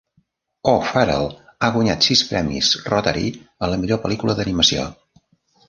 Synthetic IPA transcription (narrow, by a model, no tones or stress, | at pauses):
ofɛɾə̰lˠaɣwuɲat̪sispɾɛmḭzrot̪əɾḭələmiʎopəlikuləðəniməsio̰